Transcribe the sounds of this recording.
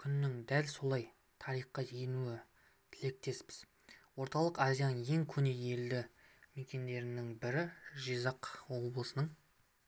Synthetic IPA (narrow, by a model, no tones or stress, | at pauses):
kʲʰʏnːɪŋd̪ælso̞lˠɑj | t̪ʰɑɾijχːɑje̞nuɪ | t̪ʰɪle̞k̚t̪e̞spɪz̥ | wo̞ɾt̪ɑlˠəqɑzijanəe̞ŋkʲʰɵne̞e̞ld̪ɪ | me̞kʲe̞nd̪e̞ɾɪnɪŋbɪɾɪʒijzɑqwo̞blˠəsənəɴ